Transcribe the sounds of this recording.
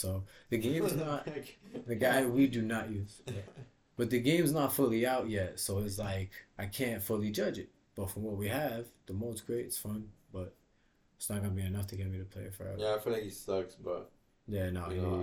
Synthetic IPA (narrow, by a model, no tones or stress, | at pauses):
soʊðɨɡẽɪ̃mznət̚ðɨɡaɪwidɨnəʔjʉz̥ | b̥ʌt̪̚ðɨɡẽɪ̃mznətfʊlˠiaʊʔ̚jɛtsoʊɪts̬laɪkʔaɪkʰæ̃ntfʊlˠid͡ʒʌd͡ʒɨt̚ | b̥ʌtfɹʌ̃mwʌt̚wiəv̥ðəmoʊsɡ̥ɹeɪɾɨtsfʌ̃nb̥ʌɾ | ɪtsnət̚ɡ̥ʌnəbiɨnʌftʰɨɡɛt̚miɾɨpʰl̥eɪəfə̰˞ɛ̰væaɪfilakistʌksb̥ʌt̚ | ðə˞nə̰t